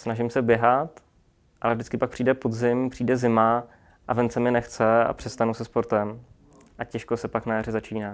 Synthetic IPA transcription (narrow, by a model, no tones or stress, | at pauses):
snaʒɪmsɛbjɛɦat̪ | ʔalɛvd͡ʒdɪt͡skɪpak̚pr̥iːdɛpo̞dzɪmpr̥iːdɛzɪma | ʔavɛnt͡sɛmɪnɛxt͡sɛa̰pr̥ɛst̪anusɛspoɾt̪ɛm | ʔacɛʃkosɛpaknajarɪzat͡ʃiːnaː